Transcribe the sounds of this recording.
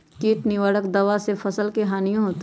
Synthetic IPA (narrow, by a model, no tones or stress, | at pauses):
kiːʈniʋəɽəkd̪ɐʋasefʰɐsəlkeɦaːnijõɦoːt̪